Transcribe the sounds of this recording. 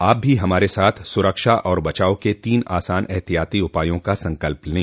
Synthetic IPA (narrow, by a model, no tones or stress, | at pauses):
aːp̚bʱiɦɐmaːɾesaːt̪ʰsʊɾəkʃaʔɔːɾbɐt͡ʃaːoket̪iːna̰ːsaːnɛɦt̪ijaːt̪iʊpaːjõkasɐ̃ŋkəlpnĩ